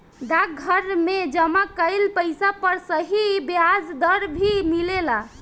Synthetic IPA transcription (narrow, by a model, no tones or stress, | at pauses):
d̪ak̚ɡʱəɾmed͡ʒəmakəɪlpəɪsapəɾsəɦibead͡ʒd̪əɾbʱimilela